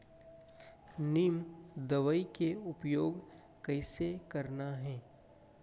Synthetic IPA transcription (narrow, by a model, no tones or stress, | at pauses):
niːmd̪ɐʋəikeʊpjoːɡ | kɐɪsekɐɾnaɦɛː